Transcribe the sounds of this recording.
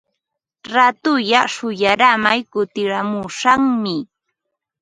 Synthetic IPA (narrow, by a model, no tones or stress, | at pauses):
ɾat̪ʊjaʃʊjaɾamajkʊt̪ɪɾamʊʃaŋmɪ